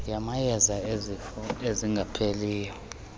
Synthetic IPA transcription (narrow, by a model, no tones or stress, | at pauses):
jamajɛzaezeziŋɡʱapʰeliːjɔ